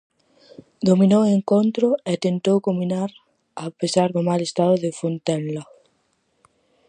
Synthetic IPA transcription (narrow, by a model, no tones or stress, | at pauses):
d̪ominoweŋkont̪ɾoet̪ent̪owkomĩnaɾ | apesaɾðomalest̪aðoðefont̪enlo